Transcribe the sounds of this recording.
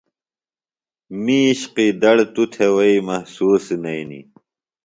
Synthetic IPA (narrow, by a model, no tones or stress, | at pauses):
miːɕqid̪ɐɽt̪ut̪ʰewɐimɐhsuːsnɐjnḭ